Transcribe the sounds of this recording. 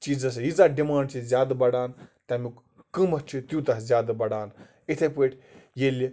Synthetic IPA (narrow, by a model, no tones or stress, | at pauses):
t͡ʃiːd͡zɐs̬jizaɖimaːɳɖt͡ʃʰizʲjaːd̪bɐɽaːnt̪ɐmuk | kɨmɐt͡ʃʰit̪jut̪ɐszʲjaːd̪bɐɽaːn | it̪ʰepeʈʲʰjelʲi